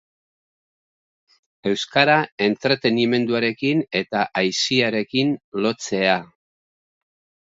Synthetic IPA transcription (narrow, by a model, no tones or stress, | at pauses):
e̞wskaɾae̞nt̪ɾet̪e̞nime̞nd̪uaɾe̞kine̞t̪aʔajsiaɾe̞kinlo̞t͡se̞a